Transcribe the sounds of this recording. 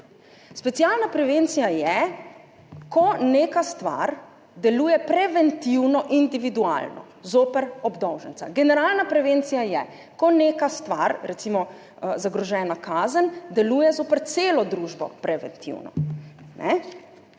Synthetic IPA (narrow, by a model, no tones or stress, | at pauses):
spɛt̪sjaːlnapɾɛʋent̪sijajɛ | kɔneːkast̪ʋa̰ɾ | d̪ɛluːjɛpɾɛʋɛnt̪iwnɔʔind̪iʋid̪ua̰lnɔ̰ | zoːpəɾɔbd̪ɔwʒənt̪a̰ɡɛnɛɾaːlnapɾɛʋeːnt̪sijajɛ | kɔneːkast̪ʋaɾɾɛt̪simɔ | zaɡɾɔʒɛːnakaːzənd̪ɛluːjɛzoːpəɾt̪seːlɔd̪ɾuːʒbɔ̰pɾɛʋɛ̰nt̪ʰḭwnɔ̰nʔɛ